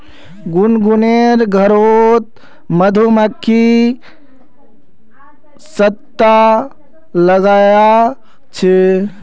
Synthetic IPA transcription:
ɡunɡuneɾɡʱəɾot̪ | məd̪ʱuməkʰːi | sət̪ːa | ləɡaːja | t͡ʃʰe

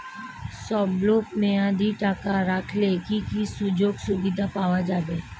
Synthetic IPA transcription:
sɔːbloːpmẽãd̪iʈaːkaɾakʰlekikisʊd͡ʒoːɡsʊbɪd̪ʱapaːʋad͡ʒaːbe

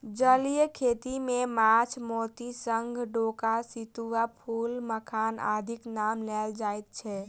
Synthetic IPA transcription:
d͡ʒəlijəkʰet̪imemat͡ʃʰmot̪isəŋɡʱɖokasit̪uwapʰulməkʰana̰d̪ʱiknamlɛld͡ʒajt̪̚t͡ʃʰɛ

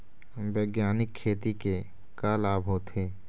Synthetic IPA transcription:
bəːɡjaːnɪkʰːeːt̪ike | kalaːbʱɦot̪ʰeː

